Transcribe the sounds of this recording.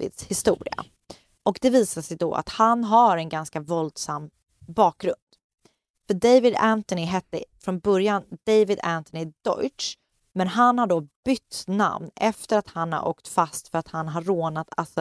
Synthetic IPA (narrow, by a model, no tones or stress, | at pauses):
vɪ̰d̪shɪst̪ṵːɾɪ̰a̰ | ʔɔkd̪ɛviːsaʂɛjd̪ɔ̰a̰t̪hanɦaɾɛnɡanskavɔld̪samː | bɑːk̚ɡɾɵnd̪̥ | fœɖejvɪd̪ænt̪ɔnɪɦɛt̪ːə̰fɾɔnbœɾjand̪̥ejvɪd̪ænt̪ɔnɪd̪̥ɔ̰ʏʈʂ | mɛnɦanhaɖɔb̥ʏt̪ːna̰mnɛft̪əɾat̪hanha̰ɾʔo̰ːkt̪fast̪fœɾat̪hanɦaɾːoːnat̪ʰa̰ltsɔ